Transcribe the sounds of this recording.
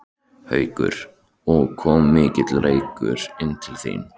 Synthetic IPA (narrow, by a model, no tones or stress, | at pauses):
hœːɥkʏ̰ɾ̥ | ɔɣkʰɔːmːɪːcɪt̪lɾeːjkʏ̰ɾɪnt̪ʰɪlθḭn